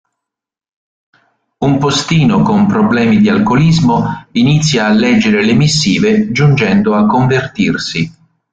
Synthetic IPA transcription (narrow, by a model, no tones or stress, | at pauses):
umpost̪iːnokompɾoblɛːmid̪ialkolizmoinit̪sːjaːlːɛd͡ʒːeɾelemisːiːved͡ʒund͡ʒɛnd̪oakːoɱvert̪irsi